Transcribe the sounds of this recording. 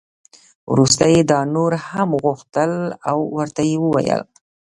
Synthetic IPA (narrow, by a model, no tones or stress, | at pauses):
wɾust̪ajed̪ɑnoɾhamɣuxt̪əlawːəɾt̪ajewəwa̰jə̰l